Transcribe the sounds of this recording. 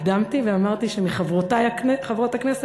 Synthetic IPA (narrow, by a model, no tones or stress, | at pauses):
d̪amt̪iveamaʁt̪iʃemiχavʁotajakneχavʁo̞taknese